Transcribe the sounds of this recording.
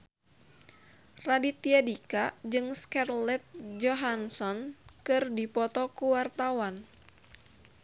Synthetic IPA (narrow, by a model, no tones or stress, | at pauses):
radit̪iadikad͡ʒɨŋskarlɛt̪̚d͡ʒɔɦansɔnkɨrdipɔt̪ɔkuwart̪awan